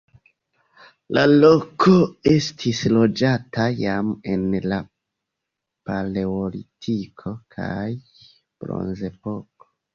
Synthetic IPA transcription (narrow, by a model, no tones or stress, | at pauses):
lalo̞kʰo̞e̞stʰislo̞d͡ʒatʰajame̞̰nla | pale̞olḭtʰikʰo̞kʰa̰j | b̥ɾo̞̰nze̞po̞ko̥